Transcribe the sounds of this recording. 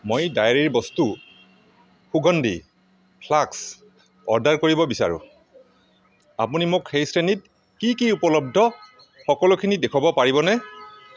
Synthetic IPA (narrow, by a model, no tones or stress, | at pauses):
mojdajaɹiɹbɔstu | xuɡʱɔndʱi | pʰlaks | ɔɹdaɹkoɹibɔbisa̰ɹṵ̃ | a̰punimokxejsɹenit̚ | kikiupɔlɔb̚dʱɔ | xɔkɔlʊkʰinidekʰɔbɔpaɹibɔnɛ